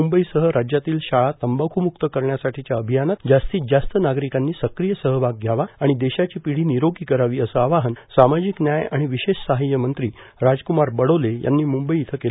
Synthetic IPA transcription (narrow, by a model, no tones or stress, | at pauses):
umbəisəɦəɾad͡ʑjat̪iːlɕaɭat̪əmbəkʰumukt̪əkəɾɳjasaʈʰit͡ɕjaəbʱijanat̪d͡ʑast̪iːd͡zast̪ənaɡɾikanːiːsəkɾijəsəɦəbʱaɡ̚ɡʱjaʋaaɽ̃id̪eɕat͡ɕiːpiɽ̤iːniɾoɡiːkəɾaʋiːəsəaʋaɦənsamad͡ʑiknjajaɽ̃iʋiɕeɕsaɦijəmənt̪ɾiːɾad͡zkumaɾbəɽoleja̰nːiːmumbəiːt̪ʰəkel